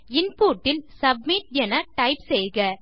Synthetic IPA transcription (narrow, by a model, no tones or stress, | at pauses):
ɪnpuːʈːɪlsɐbmɪʈ̚ɛnɐʈɐɪpsɛjɣɐ